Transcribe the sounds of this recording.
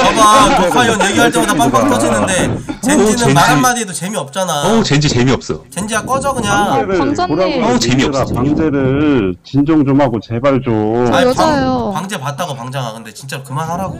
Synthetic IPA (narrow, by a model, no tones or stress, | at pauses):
aaeajoeɡiat͡ɕ͈iiap͈ad͈ak͈ʌd͡ʑinːɯnde̞t͡ɕeint͡ɕɯeɯnmaɾiedot͡ɕe̞miʌp̚t͡ɕ͈anaʌt͡ɕend͡ʑit͡ɕe̞miʌp̚s͈ʌjot͡ɕend͡ʑiak͈ʌd͡ʑʌɡɯɲaeɾɯɭkoɾaɡt͡ɕemiɯɾapaŋd͡ʑe̞ɾɯɭt͡ɕind͡ʑoŋd͡ʑomɦaɡot͡ɕe̞baɭd͡ʑo | opaŋd͡ʑe̞pat̚t͈aɡopaŋd͡ʑaŋɦaɡɯnde̞t͡ɕint͡ɕ͈aɾokɯmanɦaɾaɡo